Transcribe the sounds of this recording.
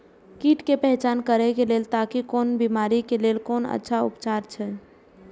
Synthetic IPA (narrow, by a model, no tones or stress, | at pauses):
kiʈkepɛɦt͡ʃankəɾɛkelelt̪akikonbimaɾikelelkonə̰tːʃʰaṵpt͡ʃaɾt͡ʃʰɛ